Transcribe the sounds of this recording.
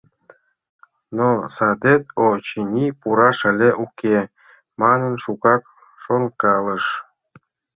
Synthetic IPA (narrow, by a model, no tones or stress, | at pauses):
nosɑd̪ʲet̪ot͡ɕinʲipuɾɑʂə̆lʲeʔukʲe | mɑnə̆nʃuɣɑk | ʃonkɑlə̆ʂ